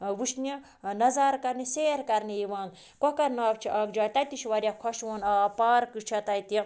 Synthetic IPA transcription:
ʋuʃni | nɐzaːɾkɐɾniseːɾkɐɾnijiʋaːn | kɔkɐɾnɐːbt͡ʃʰiʔɐkd͡ʒaːjʲt̪ɐt̪iʃʰʋɐɾʲjakʰɔʃʋoːnapaːɾkɨt͡ʃʰɐt̪ɐjt̪i

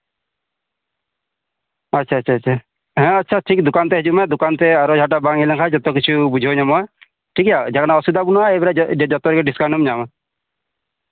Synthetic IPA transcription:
atːt͡ʃʰaːt͡ʃʰaːt͡ʃʰa | ɦɛ̃atːt͡ʃʰaʈʰik̚d̪ukant̪ɛɦɛd͡ʒumad̪ukant̪ɛaɾɔd͡ʒʱaʈ̬abaŋilɛŋkʰad͡ʒɔt̪ɔkit͡ʃʰubud͡ʒʱioɲamɔa | ʈʰikjad͡ʒakanaɔsud̪abunɔaebɛɾad͡ʒɔt̪ɔɾɛɡɛɖiskanumɲama

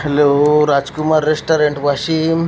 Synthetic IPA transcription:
heloɾad͡ʒkumaɾːesʈaɾeɳʈʋaʃim

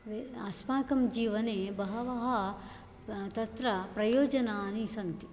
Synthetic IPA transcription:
ʋɐsmaːkɐmd͡ʒiːʋɐneːbɐɦɐʋɐɦɐ | t̪ɐt̪ɾɐpɾɐjoːd͡ʒɐnaːnisɐnt̪i̥

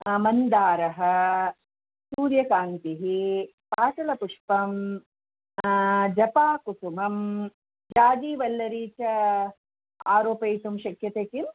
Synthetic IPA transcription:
mɐnd̪aːɾɐɦɐ̆ | suːɾjɐkaːnt̪iɦi | paːsɐlɐpuʂpɐm | d͡ʒɐpaːkutumɐm | d͡ʒaːd͡ʒiːʋɐlːɐɾiːt͡ʃɐ | a̰ːɾoːpɐjt̪umʃɐkjɐt̪eːkim

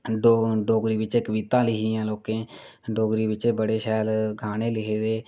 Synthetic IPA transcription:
ɖoɖoːɡɾiːʋɪt͡ʃeːkəʋiːt̪ãːlɪɦiːãːloːkẽː | ɖoːɡɾiːʋɪt͡ʃeːbəɽeːʃɛːlɡʱaːñeːlɪɦeːd̪eː

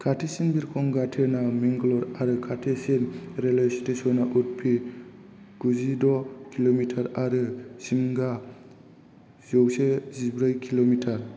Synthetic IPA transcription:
kʰatʰesinbiɾkʰɔŋɡatʰenamiŋɡlɔɾaɾɯkʰatʰesinɾelastesɔnaʔut̚pʰi | ɡ̥uzidɔkʰilomitʰaɾaɾɯsiŋɡa | zowsezibɾɯjkʰilomitʰaɾ

